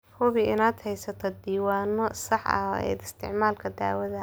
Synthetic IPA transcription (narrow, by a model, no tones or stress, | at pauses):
hʊβɪɪnaːd̪hɛjsɐt̪ʰɔd̪iːwaːnɔsɑħɐ̰ɛ̰ːd̪ɪst̪ʰɪʕmaːlkʰɐd̪a̰ːwɐðɐ